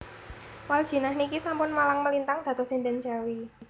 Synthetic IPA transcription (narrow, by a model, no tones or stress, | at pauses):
wal̥ʒ̥i̤nahnikisampʊnmalaŋməlint̪aŋd̪̥a̤t̪ɔsindɛnd͡ʒa̤wi